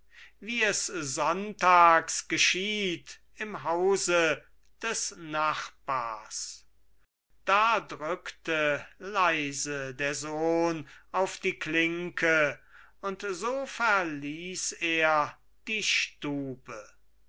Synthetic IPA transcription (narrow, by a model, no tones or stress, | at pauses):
viːɛszɔntaːksɡ̥əʃiːt | ɪmɦaʊzə | d̥ɛsnaχb̥aːɐs | d̥aːdʁʏktəlaɪzədeːɐzoːnaʊfd̥iːkʰlɪŋkʰə | ʊntzoːfɛɐliːseːɐ | d̥iːʃtuːbə